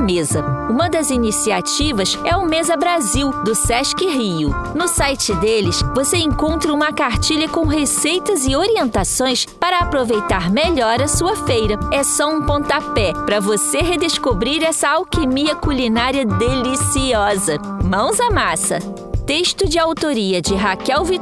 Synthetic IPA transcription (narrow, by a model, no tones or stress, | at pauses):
mezɐũmɐd̪ɐzinisiat͡ʃivɐsɛʊmezɐbɾaziwd̪ʊsɛʃkɪɦiʊnʊsajt͡ʃɪd̪elɪsvoseẽŋkõnt̪ɾɐũmɐkaɾt͡ʃiʎɐkõw̃ɦesejt̪ɐzɪoɾiẽnt̪asõj̃spaɾɐːpɾovejt̪aɾmeʎɔɾɐsuɐfejɾɐɛsɔũpõt̪apɛpɾɐvoseɦed̪eskobɾiɾɛsɐawkemiɐkulinaɾiɐd̪elisiɔzɐmɐ̃w̃zɐmasɐ̰ | t̪eʃt̪ʊd͡ʒɪawt̪oɾiɐd͡ʒɪɦakɛwvi